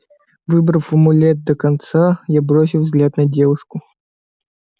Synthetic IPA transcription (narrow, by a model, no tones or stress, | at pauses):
vɨbɾɐwfəmʊlʲɛt̪̚d̪əkɐnt̪sajabɾos̬ʲɪwvzɡlʲat̪nɐdʲevʊʂkʊ